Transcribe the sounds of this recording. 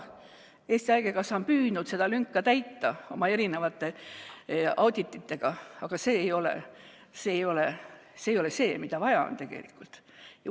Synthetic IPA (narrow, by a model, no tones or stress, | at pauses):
e̞ːsʲt̪iɑjɡ̥ekɑsɑmpyːd̪nud̪̥se̞d̪̥ɑlyŋkːɑt̪æjt̪ːɑo̞mɑe̞ɾine̞vɑt̪ːe̞ | ɑwd̪ʲit̪ːˑit̪ːe̞ɡ̥ɑɑɡ̥ɑse̞ːjo̞lḛ | seːjo̞le | seːjole̞se̞ːmid̪̥ɑvɑjɑo̰nt̪e̞ɡ̥e̞̰lḭkːˑult̪ | j